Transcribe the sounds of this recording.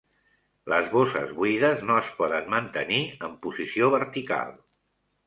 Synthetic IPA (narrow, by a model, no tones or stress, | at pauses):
ləzβosə̰zβwiðəznoəspɔðənmənt̪əniəmpuzisioβəɾt̪ika̰lˠ